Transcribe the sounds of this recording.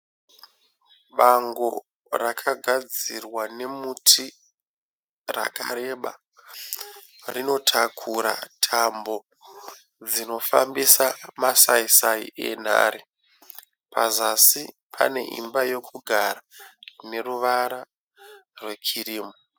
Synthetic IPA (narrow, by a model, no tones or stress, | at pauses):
ɓaŋɡo̞ | rakʰaɡʱad͡zirwane̞mutʰi | ra̰ka̰ɾe̞ɓa̰ | rino̞tʰakʰuɾa̰tʰambo̞ | d͡zino̞fambisamasaisaḭʔe̞̰n̤a̰ːɾi | pʰazasi | pʰa̰ne̞̰ʔḭmbajo̞kʰuɡʱaɾane̞ruʋaɾa | rwe̞kʰiriːmo